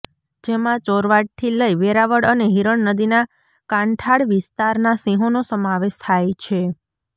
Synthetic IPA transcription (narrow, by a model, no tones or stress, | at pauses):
d͡ʒemãt͡ʃoɾʋaʈʰːiləiʋeɾaʋəɽəneɦiɾəɳnəd̪ina | kãɳʈʰaɽʋɪst̪aɾnasĩɦonosəmaʋeʃt̪ʰajt͡ʃʰe